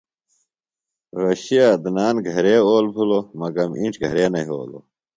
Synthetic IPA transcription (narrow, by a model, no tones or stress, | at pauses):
ɾɐɕiad̪naːnɡʱɐɾeːoːlpʰulomɐɡɐmḭʈ͡ʂɡʱɐ̰ɾeːnɐiɦo̰ːlo̰